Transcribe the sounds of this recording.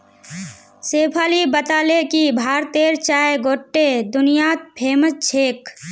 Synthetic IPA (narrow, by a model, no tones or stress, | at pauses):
seːpʰaːlibət̪aːlekibʱaːɾt̪eːɾt͡ʃaːeɡoːʈːed̪ʊnijaːt̪̚pʰeːmət̚t͡ʃʰeːk